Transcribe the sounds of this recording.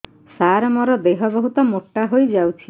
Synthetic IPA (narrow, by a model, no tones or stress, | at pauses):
saɾɔmɔɾɔd̪eɦɔbɔɦut̪ɔmoʈːaɦojd͡ʒawt͡ʃʰi